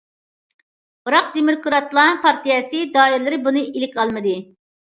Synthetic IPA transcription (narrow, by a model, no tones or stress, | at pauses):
bɨɾɑq̚d̪emɪɾkuɾɑt̪lˠɑpʰɑɾt̪ijɛsɨd̪ɑːiɾlˠɪɾɪbunɨʔilɪkʲɑlˠmɨd̪ɨ